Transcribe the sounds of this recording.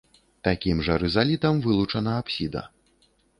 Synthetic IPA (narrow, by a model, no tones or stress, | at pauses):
t̪akʲimʐɐɾɨzalʲit̪ɐmvɨlˠut͡ʂɐnɐapsʲid̪ɐ̰